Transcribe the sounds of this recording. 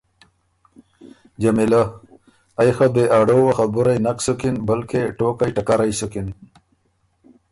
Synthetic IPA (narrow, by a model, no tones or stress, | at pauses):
d͡ʒamila | ajxab̪eʔaɽowaxabuɾajnaksukinbəlkeʈokajʈakaɾajsukin